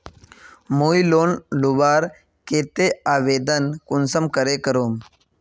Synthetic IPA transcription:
muːjiloːnlubaːɾ | keːt̪eːaːʋeːd̪ənkʊnsəmkəɾeːkəɾoːm

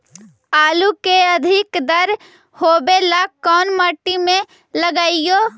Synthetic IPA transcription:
aːlukeəd̪ʱɪkd̪əɾ | hoːbelakːɔːnməʈːimẽ | ləɡaɪjo

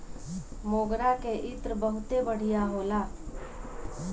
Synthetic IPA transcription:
moːɡɾakeʔɪt̪ɾbəɦʊt̪ebəɽ̤ijaɦoːlaː

